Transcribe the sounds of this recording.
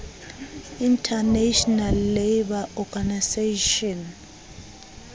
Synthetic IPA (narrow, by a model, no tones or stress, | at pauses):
intʰaneʃɔnalːebaʔɔɡaniseʃɔn